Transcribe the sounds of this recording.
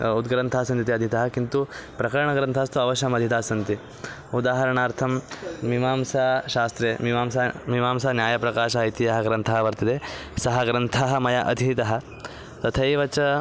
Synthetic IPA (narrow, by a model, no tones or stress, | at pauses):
ud̪ɡɾɐnt̪ʰaɦɐsɐnt̪it̪iɐd̪ʱit̪ɐɦɐkint̪upɾɐkɐɾɐɳɐɡɾɐnt̪ʰaːst̪uɐʋɐʃɐmɐd̪ʱjɐt̪aːsɐnt̪i | ud̪aːɦɐɾɐɳaːɾt̪ʰɐmmimaːmsaːʃaːst̪ɾeːmiʋaːmsamimaːmsɐnjaːjɐpɾɐkaːʃɐɐit̪ijɐɦɐɡɾɐnt̪ʰɐɦɐʋɐɾt̪ɐt̪eːsɐɦɐɡɾɐnt̪ʰaɦɐmɐjɐʔɐ̰d̪ʱit̪ɐɦɐ̆ | t̪ɐt̪ʰɐjʋɐt͡ʃɐ